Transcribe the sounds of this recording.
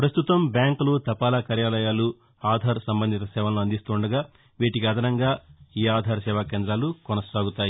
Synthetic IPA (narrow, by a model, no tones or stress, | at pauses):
pɾɐst̪ut̪ɐmbjaːŋklut̪ɐpaːlakaːɾjaːlɐjaːlu | aːd̪ʱaːɾsɐmbɐnd̪ʱit̪ɐsɛːʋɐnloɐnd̪ist̪uːɳɖɐɡaː | ʋiːʈikiɐd̪ʱɐnɐŋɡaːiːaːd̪ʱaːɾsɛːʋaːkeːnd̪ɾaːlukɔnɐsaːɡut̪aːji